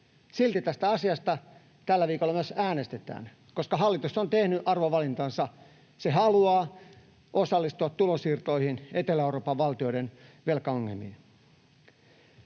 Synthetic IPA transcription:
silt̪it̪æst̪æɑsiɑst̪ɑ | t̪ælːæʋiːkolːɑmyøsæːnest̪et̪æ̰ːn | koskɑɦɑlːit̪usont̪ehnyʔɑrʋoʋɑlint̪ɑnsɑ | sehɑluɑː | ʔosɑlːist̪uɑt̪t̪ulosiːrt̪oihinet̪elæeuroːpɑʋʋɑlt̪ioiɾenʋelkɑɑŋːelmḭe

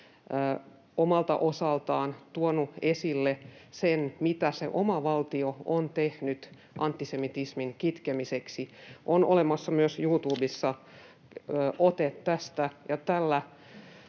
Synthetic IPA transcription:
omɑlt̪ɑ̰ʔosɑlt̪ɑːnt̪uonuesilːesenmit̪æsḛʔomɑʋɑlt̪ioont̪ehnyt̪ | ʔɑnt̪ːisemit̪ismiŋkit̪kemiseksiʔono̰lemɑsːɑmyøsjuːt̪uːbisːɑː | ʔot̪et̪t̪æst̪æjɑt̪ælːæ

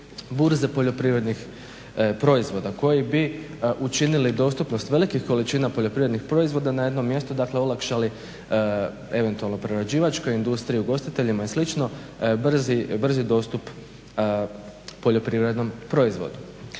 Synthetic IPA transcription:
buɾze̞po̞ʎo̞pɾiʋɾe̞d̪nix | pɾo̞izʋo̞d̪ako̞jibi | ʔut͡ʃinilid̪o̞st̪upno̞st̪ʋe̞likixko̞lit͡ʃiːnapo̞ʎo̞pɾiʋɾe̞d̪nixpɾo̞izʋo̞d̪anaje̞d̪no̞mːje̞st̪ud̪akleolˠakʃali | e̞ʋe̞nt̪ualˠno̞pɾeɾad͡ʑiːʋat͡ʃko̞jind̪ust̪ɾiuɡo̞st̪it̪e̞ʎimaeslit͡ʃno̞br̩zibr̩zid̪o̞ːst̪up | po̞ʎo̞pɾiʋɾed̪no̞mpɾo̞izʋo̞̰d̪u

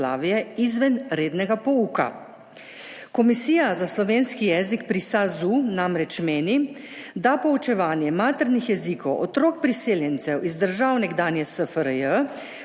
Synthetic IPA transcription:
la̰ːʋijɛizʋɛnɾeːd̪nɛɡapɔuːka̰ | kɔmisiːjazaslɔʋeːnskijɛːzikpɾisazunamɾɛt͡ʃmeːni | d̪apɔut͡ʃɛʋaːnjɛmaːt̪əɾnixjɛzikɔwʔɔt̪ɾoːk̚pɾiseːljɛnt̪sɛwizd̪əɾʒaːwnɛɡd̪aːnjɛsəfəɾəjə

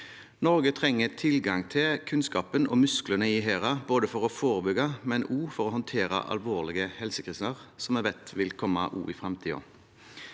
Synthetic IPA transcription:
nɔɾɡət̪ʰʁɛŋːət̪ʰɪlɡɑŋt̪ʰɪlkʰʉnskɑːpənɔ̰mʉsklənəɪɦeːʁɑboːd̪əfɔʁɔfoːʁəbʏɡɑmɛnuːfɔɾɔhɔnt̪ʰeːɾɑ̰ʔɑ̰lʋoːʁlɪɡəhɛlsəkʰʁɪsnəʁsɔmɛbɛt̪ʋɪlkʰɔmːɑ̰ʔṵːɪfʁɛmt̪ʰiːo̰ː

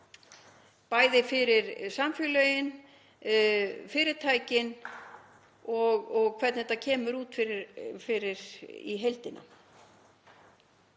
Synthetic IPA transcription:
paːjðɪfɪɾɪɾsamfjʏlœjɪn | fɪːɾɪɾt̪ʰaːjcɪn | ɔɣɔɣkʰvɛt̪nɪɛt̪acʰɛːmʏɾuːt̪fɪɾɪɾfɪɾɪɾ̥ḭɦejlt̪ɪnʔa̰

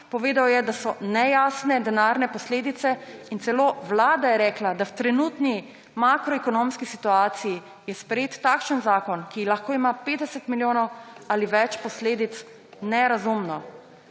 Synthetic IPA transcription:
pɔʋeːd̪awjɛd̪asɔnɛjaːsnɛd̪ɛnaɾnɛpɔsleːd̪it̪sɛint̪sɛloːʋlaːd̪ajɛɾɛːklad̪awt̪ɾɛnuːt̪ni | makɾɔɛkɔnoːmskisit̪uaːt̪siji | jɛspɾjeːt̪ːakʃənzaːkɔnkilaxkoːimapeːd̪ɛsət̪miljoːnɔwaliʋɛt͡ʃpɔsleːd̪it̪s | nɛɾazumnɔ

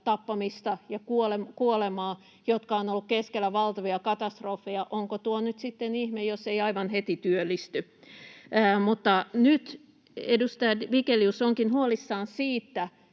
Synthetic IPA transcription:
t̪ɑpːɑmist̪ɑjɑkuolemkuolemɑː | jot̪kɑonolːukkeskelːæʋɑlt̪ɑʋiɑkɑt̪ɑst̪rofːejɑʔoŋkot̪uonyt̪sit̪ːenihmejosːeiɑiʋɑnhet̪it̪yølːist̪yː | mut̪ːɑnyt̪ | edust̪ɑjɑʋikeliusoŋkinhuolisːɑːnsiːt̪ːæ

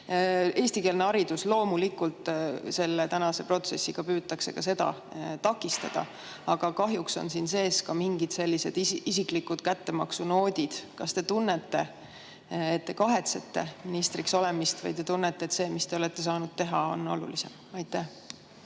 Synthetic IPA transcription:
e̞ːst̪ike̞ːlneɑɾid̪̥uslo̞ːmulikult̪ˑse̞lːe̞t̪ænɑse̞pro̞t̪se̞sːiɡ̥ɑpyːt̪ːɑkse̞̰kɑse̞d̪ɑ̰t̪ɑkːˑist̪ɑ̰d̪̥ɑ̰ | ɑɡ̥ɑkɑɦjukso̞̰nsinse̞ːskɑmiŋɡ̥id̪̥se̞lːise̞d̪iisiklikud̪̥kæt̪ːe̞mɑksuno̞ːd̪̥ʲid̪̥kɑst̪e̞t̪unːet̪ːe̞ː | t̪ːe̞kɑɦe̞t̪set̪ːe̞minist̪rikso̞le̞mist̪vɑ̰jt̪e̞t̪unːet̪ːˑe̞et̪se̞ːmist̪e̞o̞let̪ːe̞sɑːnud̪̥̚t̪e̞ɦɑo̞̰no̞̰lṵlise̞̰m | ɑjt̪ːˑæh

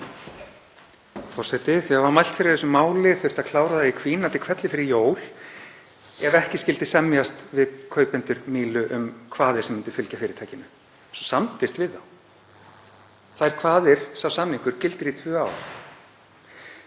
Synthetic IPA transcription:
fɔr̥sɛt̪ɪθiavaɾmajl̥t̪fɪɾɪɾθɛs̬ʏmaːwlɪθʏ̥t̪akʰlaːwɾaðaikʰviːnat̪ɪlkʰvɛt̪lɪfɪɾɪɾjoːwl̥ | ɛvɛhcɪscɪlt̪ɪsɛmjast̪vɪðkʰœːɥpɪnt̪ʏɾmiːlʏʔʏmkʰvaːðɪɾ̥sɛmːɪnt̪ʏ̥fɪlcafɪːɾɪ̥ɾt̪ʰajcɪnʏ | sɔsamt̪ɪst̪vɪðθaw | θaɛɾ̥kʰvaːðɪɾ̥sawsamniŋkʏɾ̥cɪlt̪ɪɾit̪ʰvœːaːwɾ̥

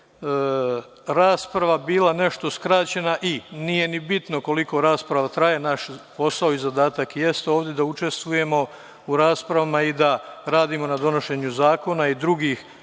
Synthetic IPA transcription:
ɾaːspɾaʋabiːlane̞ʃt̪o̞skɾat͡ɕe̞naʔinije̞nibit̪no̞ko̞liko̞ɾaːspɾaʋat̪ɾaje̞naʃpo̞saoizad̪aːt̪akje̞st̪eo̞ːʋd̪je̞d̪aut͡ʃe̞st̪ʋuje̞mo̞ | uɾaːspɾaʋamaid̪aɾaːd̪imo̞nad̪o̞no̞ʃe̞ɲuzaːko̞naid̪ɾuɡiːx

